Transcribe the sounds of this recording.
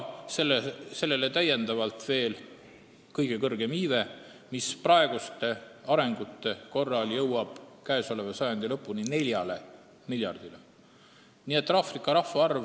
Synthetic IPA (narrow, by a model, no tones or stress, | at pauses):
selːese̞lːe̞le̞t̪æje̞nd̪ɑvɑlt̪ˑve̞ːl | kɤjɡ̥e̞kɤrɡ̥e̞miːve̞ | misprɑe̞ɡ̥ust̪e̞ɑɾe̞ŋɡ̥ut̪ːe̞ko̞rːɑljɤwɑb̥kæeso̞le̞vɑsɑjɑnd̪̥ilɤpːˑunine̞lʲjɑle̞ | miljɑ̰rd̪̥ile | nie̞t̪ːˑrɑfrikːˑɑɾɑfːɑɑrv